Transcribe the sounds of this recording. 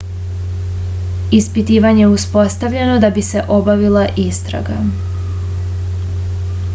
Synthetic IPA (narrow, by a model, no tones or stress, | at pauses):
ispit̪iːʋaɲeeuspo̞st̪aʋʎe̞no̞d̪abise̞ʔo̞baʋilaʔist̪ɾa̰ɡa̰